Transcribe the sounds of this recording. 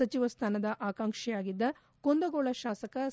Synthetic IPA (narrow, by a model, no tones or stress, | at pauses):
ɐt͡ʃiʋɐst̪ʰaːnɐd̪ɐʔaːkaːŋʂɛjaːɡid̪ːɐ | kond̪ɐɡoːɭɐʃaːsɐkɐ